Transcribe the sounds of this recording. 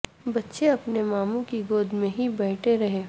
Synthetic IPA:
bɐtːʃeɐpnemaːmũkiɡoːd̪mẽɦibɛːʈʰeɾɐɦeː

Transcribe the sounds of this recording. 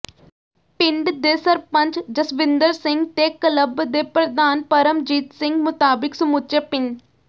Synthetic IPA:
pɪɳɖd̪eːsəɾpəɲt͡ʃd͡ʒəsʋɪnd̪əɾsɪŋɡt̪eːkələbd̪eːpɾəd̪aːnpəɾəmd͡ʒiːt̪sɪ̃ŋɡmʊt̪aːbɪksəmuːtəpɪɳɖ

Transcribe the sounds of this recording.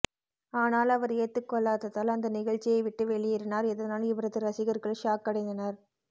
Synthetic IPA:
aːnaːlɐʋɐɾeːt̪ːɯkːɔɭːaːt̪ɐt̪ːaːlɐnd̪ɐnɪɣɐɻt͡ʃːɪjɐɪʋɪʈːɯʋɛɭːɪjɪɾɯnaːɾɛðɐnaːlɪʋɐɾɐðɯɾɐsɪɣɐɾɣɐɭʂaːkːɐɽɐɪnd̪ɐnɐɾ

